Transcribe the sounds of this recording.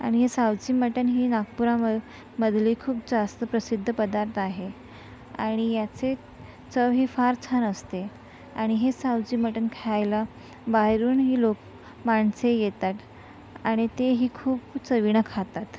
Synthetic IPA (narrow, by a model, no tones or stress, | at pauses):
a̰ɽ̃iɦesawd͡ʑiːməʈənɦiːnak̚puɾa | məd̪ʱliːkʰuːp̚d͡zast̪əpɾəsid̪ʱːəpəd̪aɾt̪ʰaɦe | a̰ɽ̃ijat͡se | t͡səʋɦiːfaɾt͡sʰanəst̪e | a̰ɽ̃iɦesawd͡ʑiːməʈənkʰeajla | baɦɾuːnɦiːlok | maɳsejet̪at̪ | aɽ̃it̪eɦiːkʰuːpt͡səʋiɽ̃əkʰat̪at̪